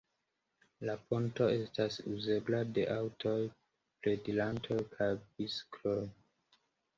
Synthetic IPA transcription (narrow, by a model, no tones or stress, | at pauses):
laponto̞e̞stasuze̞blade̞ʔawtʰo̞j | pledilantʰo̞jkʰajbiskloj